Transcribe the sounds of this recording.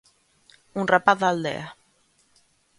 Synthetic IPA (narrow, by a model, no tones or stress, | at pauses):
unrəpaðalˠd̪ɛ̰a